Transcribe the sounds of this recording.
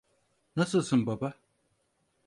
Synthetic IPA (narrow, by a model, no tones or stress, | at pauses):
nɐsɨsɨmbɐba